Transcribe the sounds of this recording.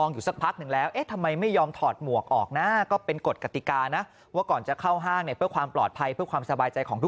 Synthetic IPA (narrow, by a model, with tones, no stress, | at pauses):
ɔː˧ŋjuː˨˩sa˨˩k̚pʰa˦˥k̚nɯ˨˩ŋlɛː˦˥wʔeː˦˥t̪ʰa˧mːa˧jma˥˩jːɔː˧mt̪ʰɔː˨˩t̪̚mu˨˩ək̚ʔɔ̰ː˨˩k̚na˦˥kɔː˥˩pe˧nko˨˩t̪̚ka˧˩t̪i˨˩kaː˧na˦˥ | waː˥˩kɔː˨˩nt͡ɕa˨˩kʰa˥˩wɦaː˥˩ŋni˧˩pʰɯ˥˩əkʰwaː˧mplɔː˨˩t̪̚pʰa˧jpʰɯ˥˩əkʰwaː˧msa˧baː˧jt͡ɕa˧jkʰɔː˩˦ŋt̪ʰu˦˥